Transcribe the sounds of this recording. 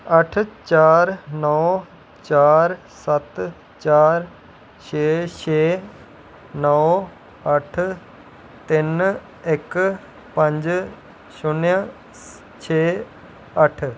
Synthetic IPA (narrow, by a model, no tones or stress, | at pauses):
əʈʰt͡ʃaːɾnɔː | t͡ʃaːɾ | sət̪ | t͡ʃaːɾ | ʃʰeːt͡ʃeː | nɔw | əʈʰ | t̪in | ek | pə̃ɲd͡ʒ | ʃʊnjə | t͡ʃʰeː | əʈʰ